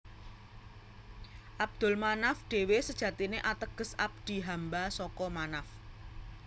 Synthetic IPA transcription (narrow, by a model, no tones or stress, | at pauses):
ʔab̚d̪̥ʊ̤lmanafɖ̥e̤wesəd̥ʒ̥ä̤t̪ineʔat̪əɡ̥ə̤sa̰b̚d̪̥i̤ɦambasɔkɔmanaf